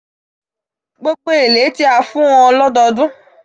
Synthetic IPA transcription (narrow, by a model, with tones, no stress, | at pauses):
ɡ͡bo˦k͡pe˦e˨le˨˦ti˦a˨fũ˦w̃ɔ̃˧lɔ˦dɔ˧dũ˦